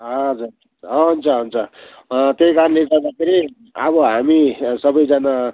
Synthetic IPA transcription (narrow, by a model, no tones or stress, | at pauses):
ɦʌd͡zur | ʌɦunt͡sʰʌɦunt͡sʰʌ | t̪jejkaɾnleɡʌrd̪akʰeɾi | ʌ̰bʌɦamisʌbʌjd͡zana